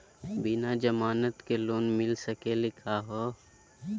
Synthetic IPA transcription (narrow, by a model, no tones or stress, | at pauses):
bɪnad͡ʒɐmaːnət̪keloːnmɪlsəkelɪkʰaɦoː